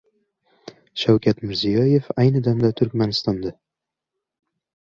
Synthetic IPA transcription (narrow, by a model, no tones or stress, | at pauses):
ʃawkʲat̪mɪɾzijɒjefajnɨd̪amd̪at̪ʰʊɾkʲmanɪst̪ɒnd̪a